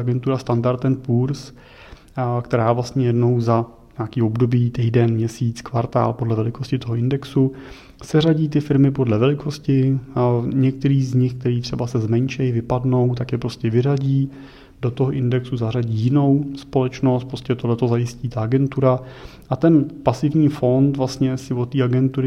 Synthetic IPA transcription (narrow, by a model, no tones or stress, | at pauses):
aɡɛnt̪uɾast̪andaɾt̪ɛnpuːɾs | kt̪ɛɾaːvlast̪ɲɛjɛdno̞wza | ɲaːkiːo̞bdo̞biːt̪ijdɛnmɲɛsiːt͡skvaɾt̪a̰ːlpo̞dlɛvɛlɪkʰoscɪt̪o̞ɦoʔɪndɛksu | sɛraɟiːt̪ɪfɪɾmɪpo̞dlɛvɛlɪko̞scɪ | ɲɛk̚t̪ɛɾiːzɲɪxk̚t̪ɛɾiːt̪r̥ɛbasɛzmɛɲt͡ʃɛjvɪpadno̞wt̪akjɛpɾo̞scɛvɪraɟiː | d̥o̞t̪oɦoʔɪndɛksuzaraɟiːjɪno̞wspo̞lɛt͡ʃno̞st̪̚pɾoscɛt̪odlɛt̪o̞zajɪsciːt̪aaɡɛnt̪uɾaʔat̪ɛnpasɪvɲiːfo̞nt̪vlast̪ɲɛsɪvot̪ːiːaɡɛnt̪uɾɪ